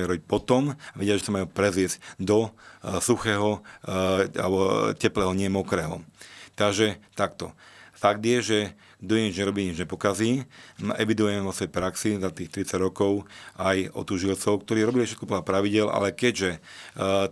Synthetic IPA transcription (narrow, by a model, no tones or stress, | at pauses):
ɾɔbic̚pɔt̪ɔmaʋɛɟɪaʒɛsamajuːpɾɛzɪɛzc̚d̪ɔsuxɛːɦɔ | a̰lɔcɛplɛːɦɔɲɪɛmɔkɾɛːɦɔt̪aɡʒɛt̪akt̪ɔfaɡd̪jɛʒɛ | d̪uɛɲid͡ʒɲɛɾɔbiːɲid͡ʒɲɛpɔkaziːʔɛʋid̪ujɛmɛʋɔsɔjpɾaksizat̪iːxt̪ɾit͡saɟɾɔkɔʊajʔɔ̰t̪uʒilt͡sɔʊkt̪ɔɾiːɾɔbilifʃɛt̪kɔplapɾaʋiɟɪɛlʔa̰lɛkɛɟʒɛ